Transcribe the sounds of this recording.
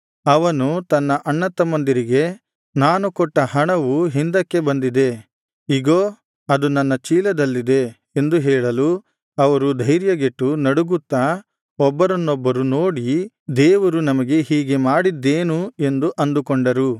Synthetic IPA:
ɐʋɐnut̪ɐnːɐʔɐɳːɐt̪ːɐmɐnd̪iɾiɡe̞ | naːnukɔʈːɐhɐɳɐʋuɦind̪ɐkːe̞bɐnd̪id̪e̞ | iɡoː | ɐd̪unɐnːɐt͡ʃiːlɐd̪ɐlːid̪e̞ | end̪uɦɛːɭɐlu | ɐʋɐɾud̪ʱɐjɾjɐɡeʈːunɐɽuɡut̪ːɐ | ɔbːɐɾɐnːɔbːɐɾunoːɽi | d̪eːʋɐɾunɐmɐɡe̞ɦiːɡe̞maːɽid̪ːeːnue̞nd̪uʔɐnd̪ukɔɳɖɐɾu

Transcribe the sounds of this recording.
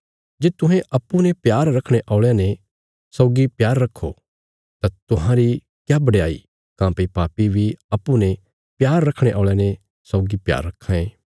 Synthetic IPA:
d͡ʒeːt̪ʊɦẽʔɐpːunɛ̃pjaːɾɾɐkʰɽ̃eʔɔːɭjãnẽ | sɔːɡipjaːɾːɐkʰːo | t̪at̪ʊɦãɾi | kjaːbɐɽeaːḭ | kãːpipaːpibʱiɐpːunɛ̃ | pjaːɾːɐkʰɽ̃eʔɔːɭjãne | sɔːɡipja̰ːɾːɐkʰːãeː

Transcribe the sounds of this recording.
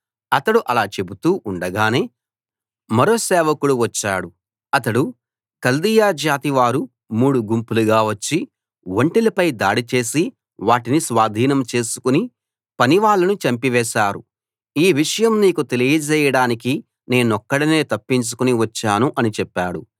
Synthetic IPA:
ɐt̪ɐɽuʔɐlaːt͡ʃe̞but̪uːʔuɳɖɐɡaːne̞ː | mɐɾo̞ːsɛːʋɐkuɽuʋɐt͡ʃːaːɽu | ɐt̪ɐɽu | kɐld̪ijaːd͡ʒaːt̪iʋaːɾu | muːɽuɡumpuluɡaːʋɐt͡ʃːi | ʋoɳʈilɐpɐjd̪aːɽit͡ʃe̞ːsi | ʋaːʈinisʋaːd̪ʱiːnɐmt͡ʃe̞ːsu̥kuni | pɐniʋaːɭːɐnut͡ʃɐmpiʋɛːʃaːɾṵ | iːʋiʂɐjɐmniːkut̪e̞lijɐd͡ʒɛːjɐɽaːnik̬i | ne̞ːnɔkːɐɽine̞ːt̪ɐpːiɲt͡ʃu̥kuniʋɐt͡ʃːaːnuʔɐnit͡ʃɛpːaːɽu

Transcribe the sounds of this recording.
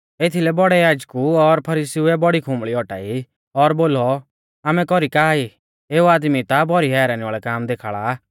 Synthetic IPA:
et̪ʰilɛbɔɽɛjaːd͡ʒkuɔɾpʰɐɾiːsiuɛbɔɽikʰʊ̃mɭiɔʈa̰ːi | ɔɾboːlɔ | aːmɛ̃kɔɾikaːi | eːuaːd̪mit̪abɔɾiɦɛːɾaːniʋaːɭɛkaːmd̪eːkʰaːɭa

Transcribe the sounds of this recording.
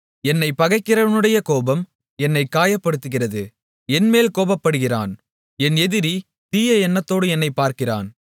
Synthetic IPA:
ɛnːɐɪpɐɣɐɪkːɪrɐʋɐnɯɽɐjɐkoːbɐm | ɛnːɐɪkːaːjɐpːɐɽɯt̪ːɯɣɪrɐðɯ | ɛnmeːlkoːbɐpːɐɽɯɣɪra̰ːn | ɛnɛðɪɾi | t̪iːjɐɛnːɐt̪ːoːɽɯɛnːɐɪpːaːɾkɪra̰ːn

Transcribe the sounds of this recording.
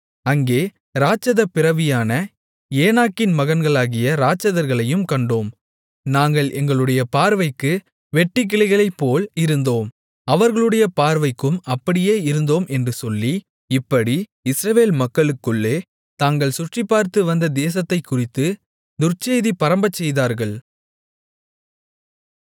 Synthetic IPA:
ɐŋɡeː | ɾaːt͡ʃːɐðɐpɪɾɐʋɪjaːnɐ | eːnaːkːɪnmɐɣɐnɡɐɭaːɣɪjɐɾaːt͡ʃːɐðɐɾɣɐɭɐjɯmkɐɳɖoːm | naːŋɡɐɭʔɛŋɡɐɭɯɽɐjɐpaːɾʋɐɪkːɯ | ʋɛʈːɪk̬ːɪɭɐɪɣɐɭɐɪpːoːlɪɾɯnd̪oːm | ɐʋɐɾɣɐɭɯɽɐjɐpaːɾʋɐɪkːɯmɐpːɐɽɪjeːɪɾɯnd̪oːmʔɛndrɯsɔlːi | ɪpːɐɽiɪsɾɐʋeːlmɐkːɐɭɯkːɯɭːeː | t̪aːŋɡɐɭsʊʈrɪpːaːɾt̪ɯʋɐnd̪ɐd̪eːsɐt̪ːɐɪkːʊrɪt̪ːɯ | nʊrt͡ʃːeːðipɐɾɐmbɐt͡ʃːɛjðaːɾɣɐɭ

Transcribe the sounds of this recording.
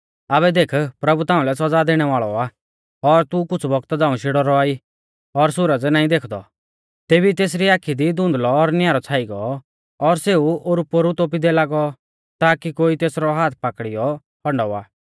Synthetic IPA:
aːβɛd̪eːkʰpɾɐbut̪ãːũlɛs̬ɔd͡zad̪eːɽ̃ɛʋaːɭɔaː | ɔɾt̪ukʊt͡sʰbɔɡt̪d͡zaːũʃɪɽɔɾɔaːi | ɔɾsʊɾəd͡znaːĩd̪eːkʰd̪ɔ̰ | t̪eːbit̪eːs̬ɾiaːkʰid̪id̪ʊ̃nd̪lɔːɾnjaːɾɔt͡sʰaːiɡɔ | ɔɾseːuoɾupːoɾut̪oːp̬id̪ɛlaːɡɔ | t̪aːkikoːit̪eːsɾɔɦaːt̪ʰpakɽijɔ | pʰɔɳɖɔa̰ː

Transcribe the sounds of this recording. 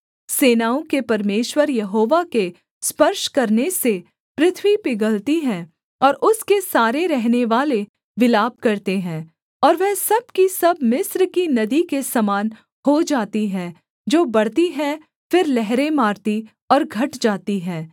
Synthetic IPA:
seːnaːõkepɐɾmeːʃwəɾjɐɦoːʋake | spɐɾʃkɐɾnese | pɾɪt̪ʰʋipɪɡəlt̪iɦɛ̃ː | ɔːɾʊskesaːɾeɾɛɦneʋaːle | ʋɪlaːb̚kɐɾt̪eɦɛ̃ː | ɔːɾʋɛɦsɐb̚kisɐbmɪsɾkinɐd̪ikesɐmaːn | hod͡ʒaːt̪iɦɛ̃ː | d͡ʒoːbɐɽt̪iɦɛ̃ | fɪɾlɛɦɾẽmaːɾt̪i | ɔːɾɡʱɐʈd͡ʒaːt̪iɦɛ̃ː

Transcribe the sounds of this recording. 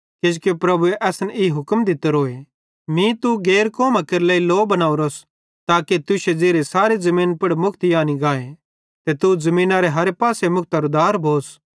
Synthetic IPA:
kɪd͡ʒkepɾɐbueʔɛːsniɦʊkmd̪ɪt̪eɾoːe | mĩt̪uɡeːɾkoːmakeɾlɛːiloːbɐnaːuɾoːs | t̪aːket̪ʊʃed͡ʒeːɾesaːɾezɐmĩːnpɐɽmʊkʰt̪ijaːniɡaːe | t̪et̪uzɐmĩːnaɾeɦɐɾepaːsemʊk̚ʰt̪aɾud̪aːɾbʱoːs

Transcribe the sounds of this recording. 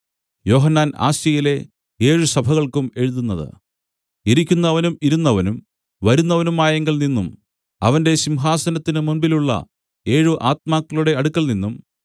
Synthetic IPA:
jo̞ːɦɐnːaːna̰ːsjɐjile̞ | e̞ːɻusɐbʱɐɣɐɭkume̞ɻuðunːɐðɨ̰ | iɾikʲːunːɐʋɐnumiɾunːɐʋɐnum | ʋɐɾunːɐʋɐnumaːjɐŋɡɐlninːum | ɐʋɐnde̞ɕimɦaːsɐnɐt̪ːinɨmunbiluɭːɐ̰ | e̞ːɻuʔaːt̪̚maːkːɐɭuɽe̞ɐɽukːɐlninːum

